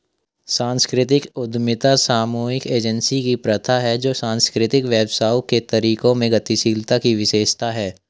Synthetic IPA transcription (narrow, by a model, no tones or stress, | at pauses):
sãːnskɾɪt̪̬ɪkʊd̪mɪt̪asaːmuːɪkeːd͡ʒənsikipɾɐt̪ʰaɦɛd͡ʒoːsãːnskɾɪt̪ɪkʋjɛːbsaːuket̪ɐɾiːkõmẽɡɐt̪iʃiːlt̪akiʋɪʃeːʃt̪aɦɛː